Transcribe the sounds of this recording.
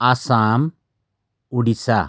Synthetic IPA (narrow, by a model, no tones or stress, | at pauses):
asaːm | uɽisa